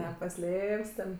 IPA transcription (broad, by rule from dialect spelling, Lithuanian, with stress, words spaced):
nʲɛpɐˈsʲlʲeːpʲsʲ tʲɛn